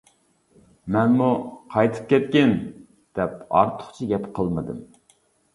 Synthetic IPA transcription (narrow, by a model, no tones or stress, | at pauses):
mɛnmuqʰɑjt̪ʰɨ̥p̚kʲʰɛt̪̚kʲɪn | d̪̥ɛpɑ̰ɾt̪ʰə̥χt͡ʃʰiɡʲɛpqʰəlˠmɨd̪ɨ̰m